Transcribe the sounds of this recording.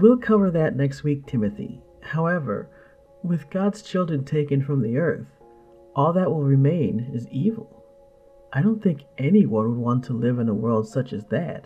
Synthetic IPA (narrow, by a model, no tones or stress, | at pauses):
wilˠkʰʌvə˞ðɨtⁿnɛkst̚wik̚tʰɪ̃mɨθḭ | haʊɛvə̰˞ | wɨðɡɑdz̥t͡ʃʰɪlˠdɹɨ̃ntʰeɪkɨ̃nfɹʌ̃mðiɜ˞θ | ʔɔlˠðəʔ̚wəlˠɹɨmẽɪ̃nɨzivl̩ˠ | aɪɾõʊ̃nθɪ̃ŋkɛniwʌ̃nwəd̚wɑ̃ntʰəlɪvɨ̃nəwɜ˞lˠd̥sʌt͡ʃɨzðæ̰t̚